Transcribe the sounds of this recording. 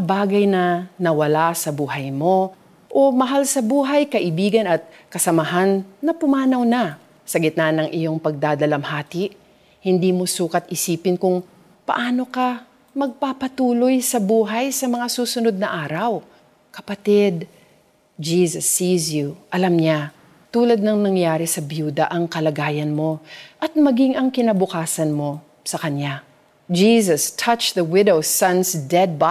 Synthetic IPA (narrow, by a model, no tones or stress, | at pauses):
baːɡɐjnɐnɐwɐlasɐbuːɦɐjmo̞ | ʔomɐɦalsɐbuːɦɐjkɐʔɪbiːɡɐnɐt̪̚kɐsɐmaɦanːɐpʊmaːnɐwnɐ | sɐɡɪt̪̚nanɐŋʔɪjo̞ŋpɐɡ̚d̪aːd̪ɐlɐmhaːt̪ɪʔ | hɪnd̪iːmo̞suːkɐt̪̚ʔɪsiːpɪnkʊŋ | pɐ̰ʔaːno̞kɐ | mɐɡ̚papɐt̪uːlo̞jsɐbuːɦɐjsɐmɐŋasuːsʊno̞d̪̚nɐʔaːɾɐw | kɐpɐt̪ɪd̪ | d͡ʒiːsɐsːiːzjuʔɐlamɲa | t̪uːlɐd̪̚nɐŋnɐŋjaːɾɪsɐbjuːd̪ɐʔɐŋkɐlɐɡaːjɐnmo̞ʔɐt̪̚mɐɡiŋʔɐŋkɪnɐbʊkaːsɐnmo̞ | sɐkɐɲa | d͡ʒiːsɐst̪ʰɐt͡ʃðɐwɪd̪owsɐ̃nsd̪ɛd̪̚ba